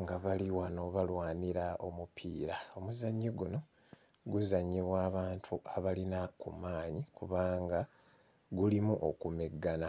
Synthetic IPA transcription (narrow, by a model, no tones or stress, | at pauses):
ŋɡaβaliwano̞βalwaːniɾao̞mupʰiːɾao̞muzaɲːiɡuno̞ | ɡuzaɲːiβwaːβaːntʰuʔaβalinakṵmaːɲikuβaːŋɡa | ɡulimuʔo̰kumeɡːana